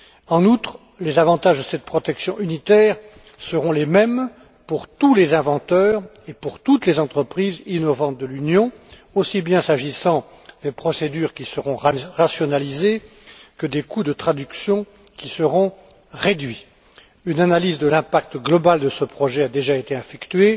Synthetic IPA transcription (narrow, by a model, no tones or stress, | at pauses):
ɑ̃nut̪χ | lezavɑ̃t̪aʒd̪əsɛt̪̚pχɔt̪ɛksjɔ̃ynit̪ɛːʁ | səʁɔ̃lemɛm | puʁt̪ulezɛ̃vɑ̃t̪œːʁ | epuʁt̪ut̪lezɑ̃t̪χəpχizinɔvɑ̃t̪̚d̪əlynjɔ̃ | osibjɛ̃saʒisɑ̃ | d̪epχɔsed̪yʁkʲisəʁɔ̃ʁʁasjɔnalize | kəd̪ekud̪ət̪χad̪yksjɔ̃ | kʲisəʁɔ̃ | ʁed̪ɥi | ynanalizd̪əlɛ̃pak̚t̪ɡlɔbald̪əsəpχɔʒɛad̪eʒaet̪eɛ̃fɛkt̪ɥe